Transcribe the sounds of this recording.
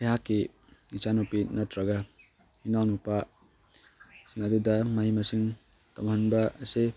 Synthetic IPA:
eɦakːi | it͡ʃanopinatɾaɡa | hinawnupa | siŋadudɐmɐɦimɐsiŋ | tɔmhɐnbɐːse

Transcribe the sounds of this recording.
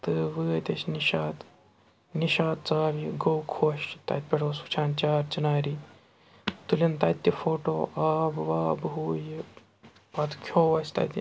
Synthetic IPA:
t̪ɨʋɨːɐt̪ʲɐt͡ʃniʃaːd̪ | niʃaːd̪̚t͡saːʋiɡowkʰoʃt̪a̰t̪̚ʲpʲeʈosut͡ʃʰaːnt͡ʃaːɾt͡ʃinaːɾi | t̪ulʲent̪aːt̪ʲːifoːʈoʔabʋaːbɦuːj | pɐt̪ʰkʲʰoːʋɐst̪a̰t̪ʲi

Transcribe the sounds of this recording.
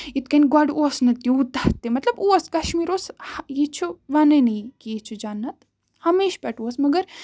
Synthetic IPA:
it̪̚kɐnʲɡaɖuɐsnɐt̪ːiut̪ɐht̪emɐt̪lɐbuɐskɐʃmiːɾoːshjit͡ʃʰuʋɐnɐnɐkiit͡ʃʰud͡ʒanːɐt̪ | hɐmeːʃpɛʈuɐsmɐɡɐɾ

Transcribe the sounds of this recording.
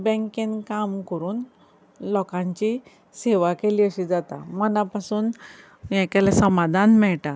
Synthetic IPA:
bɛ̃ŋkẽnkamkəɾuːn | lɔkãɲt͡ɕi | seʋakeliːəɕid͡zat̪a̰mənapasuːn | jɛ̃kɛlasəmad̪ʱanmɛɭʈa

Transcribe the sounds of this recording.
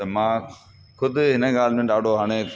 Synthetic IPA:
t̪ɐmãː | kʰʊd̪ʱɦɪnəɡaːlmẽːɗaːɖʱoɦaːɽ̃eː

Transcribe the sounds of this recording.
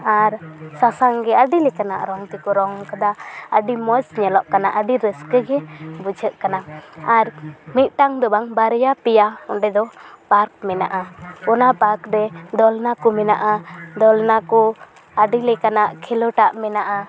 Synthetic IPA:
aɾsasaŋɡɛaɖilɛkana̰ʔɾɔŋt̪ikɔɾɔŋkad̪aəɖimɔsɲɛlɔʔkanaʔəɖiɾəskəɡɛbud͡ʒʱəʔkanaaɾmit̪̚ˀʈaŋd̪ɔbaŋbaɾjapɛjaɔɖɛd̪ɔpaɾk̚mɛna̰ʔaɔnapaɾkɾɛd̪ɔlnakɔmɛnaʔad̪ɔlnakɔ | aɖilɛkanaʔkʰɛlɔʈaʔmɛnaʔa

